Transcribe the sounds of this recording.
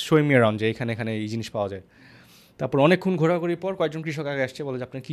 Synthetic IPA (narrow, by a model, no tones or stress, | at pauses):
ʃojmieɾand͡ʑeejkʰaneekʰaneid͡ʑiniʃpaoad͡ʑae | t̪aɾpɔɾɔnekʰːunɡʱoɾakoɾipɔɾkɔek̚d͡ʑonkɾiʃokɛɡeaʃt͡ɕʰeboled͡ʑapnaki